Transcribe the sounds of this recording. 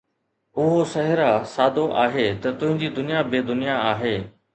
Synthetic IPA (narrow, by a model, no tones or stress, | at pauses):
ʊɦosɐɦɪɾasaːd̪ʱoʔaːɦet̪ɐt̪ʊ̃ɦɪ̃ɲd͡ʑiːd̪ʊnijabeːd̪ʊnijaaːɦeː